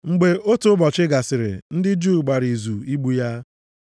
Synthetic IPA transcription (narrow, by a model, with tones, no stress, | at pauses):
ŋ͡m̩˨ɡ͡be˦o˦tʊ˨˦ʊ˦bɔ˨t͡ʃɪ˦ɡa˨sɪ˨ɾɪ̰˨n̩˦dɪ˦d͡ʒu˦˨ɡ͡ba˨ɾi˨zu˨i˦ɡ͡bu˨ja˦